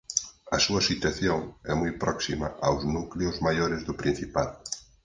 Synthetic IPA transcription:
ɐsuɐsit̪aθjoŋɛmujpɾɔksimɐʔawznukleʊzmajoɾɪzðʊpɾin̟θipað

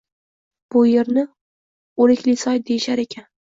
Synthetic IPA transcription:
b̥ʊjeɾnɪ | olɪkʲlɪsɒjd̪ejɪʃaɾe̞kʲʰan

